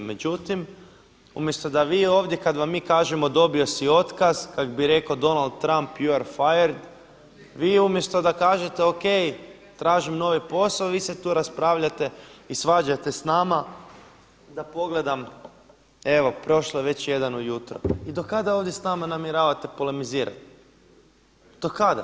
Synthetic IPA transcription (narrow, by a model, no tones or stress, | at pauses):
me̞d͡ʒut̪im | ṵmje̞st̪o̞d̪aʋiːo̞ːʋd̪jekad̪ʋamːiːkaːʒemo̞d̪o̞bio̞sio̞t̪kazkakobiɾe̞kod̪o̞nald̪̚t̪ːɾampjuaɾfajaɾd̪ | ʋiːumjest̪o̞d̪akaːʒe̞t̪eoke̞j | t̪ɾaːʒimno̞ʋipo̞saoʋiːset̪uːɾaspɾaːʋʎat̪e̞isʋaːd͡ʒat̪e̞snaːma | d̪apo̞ɡle̞d̪am | e̞ʋo̞pɾo̞ʃlˠoʋe̞t͡ɕje̞d̪anujut̪ɾoid̪o̞kad̪aoʋd̪je̞snaːmanamjeɾaːʋat̪epolemiziːɾa̰t̪ | d̪̥o̞kad̪a̰